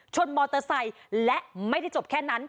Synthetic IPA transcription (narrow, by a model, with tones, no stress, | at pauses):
t͡ɕʰo˧nmɔː˧t̪ɤː˧sa˧j | lɛ˦˥ʔma˥˩jda˥˩jt͡ɕo˨˩p̚kʰɛː˥˩na˦˥n